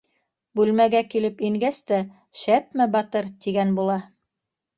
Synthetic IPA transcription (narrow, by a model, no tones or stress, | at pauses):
bʉlmæɡækilɘpiŋɡæst̪æ | ʃæp̚mæbɑt̪ɤɾt̪iɡænbulˠɑ